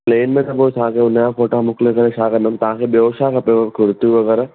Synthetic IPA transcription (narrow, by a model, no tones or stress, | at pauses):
pleːnmẽt̪ɐbosʰaãkeʊn̤jãfoːʈamʊklekɐɾeʃaːkɐnəmt̪ɐʋãkʰeɓioʃaːkapekʰʊɾt̪jũʋɐɣɛːɾa